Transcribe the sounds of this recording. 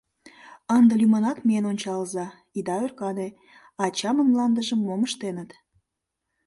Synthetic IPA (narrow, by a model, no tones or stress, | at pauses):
ənd̪əlymənɑkmeenonʲt͡ɕɑlzɑ | id̪ɑørkɑne | ɑt͡ɕɑmənmlɑnd̪əʒəmːoməʃt̪enət̪